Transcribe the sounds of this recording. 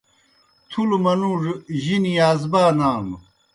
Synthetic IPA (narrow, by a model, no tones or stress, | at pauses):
t̪ʰulumɐnuʐʑinijaːzbaːnaːm